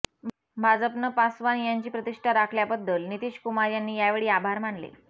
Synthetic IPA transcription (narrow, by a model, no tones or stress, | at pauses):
bʱad͡zəpnəpasʋanjaɲt͡ɕiːpɾət̪iʂʈʰaɾakʰljabəd̪ːəlnit̪iːɕkumaɾjanːiːjaʋeɭiːabʱaɾmaɳlḛ